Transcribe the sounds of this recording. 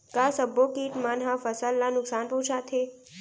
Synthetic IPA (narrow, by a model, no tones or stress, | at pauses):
kasəbokiːʈmanɦãfəsalːanʊksanpəɦũt͡ʃʰat̪ʰe